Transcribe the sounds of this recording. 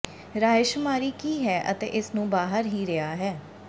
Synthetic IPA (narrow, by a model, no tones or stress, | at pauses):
ɾaːɪʃmaːɾiːkiːɦɛːʔə̰t̪ḛːʔɪsnũːbaːɦəɾɦiːɾeaːɦɛː